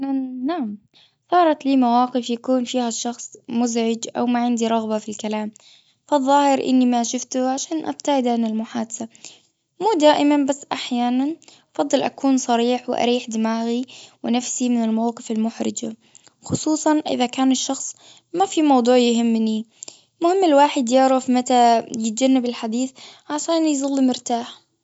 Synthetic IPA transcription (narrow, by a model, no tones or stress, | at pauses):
naʕam | sˤɑːɾˤɑt̪liːmawaːqɪfjakuːnfiːhaʃːɑxsˤmʊzʕɪd͡ʒʔa̰wmaʕɪnd̪iɾˤɑɣbafilkalaːm | fɑðˤːɑːhɪɾʔɪ̰nːimaʃʊft̪ʊʕaʃaːnʔa̰b̚t̪aʕɪd̪ʕanɪlmʊħaːd̪ḁsa | muːd̪aːʔɪmanbasːʔaħjaːnanʔɑfɑd̪ˤːɨlʔa̰kuːnsˤɑɾiːħwɪʔa̰ɾiːħd̪ɪmaːɣiwɪnafsimɪnɪlmawqɨfalmʊħɾɪ̰d͡ʒa | xʊsˤuːsˤɑnʔɪ̰ðakaːnɪʃːɑxsˤ | mafimɑwd̪ˤuːʕjɪɦɪmːni | lmʊhɪmːɪlwaːħɪd̪jɪʕɾˤafmat̪ajɪt̪̚d͡ʒanːabɪlħad̪iːθʕaʃaːnijzˤɑlːimɪɾt̪aːħ